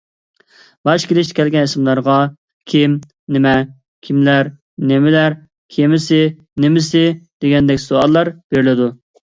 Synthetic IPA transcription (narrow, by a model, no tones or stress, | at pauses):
bɑʃkʲelɪʃt̪kʲʰɛlɡʲɛnɪsɪmlˠɑɾʁɑ | kʲʰim | nɪmɛ | kʲʰimlæɾ | nɪmɪlæɾ | kʲʰemɪsɪ | nemɪsɪd̪̥eɡʲɛnd̪ɛkʲːsoɑlˠːɑɾb̥eɾɪlɪd̪u